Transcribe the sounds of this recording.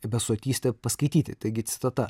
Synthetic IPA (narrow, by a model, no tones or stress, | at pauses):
bʲɛt̪soɔt̪ʲiːsʲt̪ʲɛpɐskɐɪt̪ʲiːt̪ʲɪt̪ɐɪɡʲɪt̪ʲɪ̥t̪ɐt̪ɐ